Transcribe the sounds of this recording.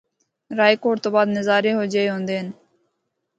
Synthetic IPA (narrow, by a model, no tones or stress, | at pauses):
ɾaːiːkoːɽt̪oːbaːd̪nɪzaːɾeɦoːd͡ʒəeɦõːnd̪eːɦən